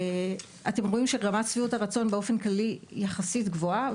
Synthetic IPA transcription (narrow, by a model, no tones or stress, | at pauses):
ate̞mʁo̞imʃeʁamatsviutaʁat͡so̞nbeo̞fe̞nklalijaχasitɡvo̞a